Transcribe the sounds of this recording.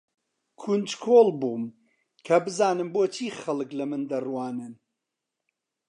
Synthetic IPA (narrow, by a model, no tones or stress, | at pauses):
kʰund͡ʒkʰoːlˠbuːm | kʰɐbɨzaːnɨmboːt͡ʃʰiːχɐlˠɨklɐmɨnd̪ɐrwɑːnɨn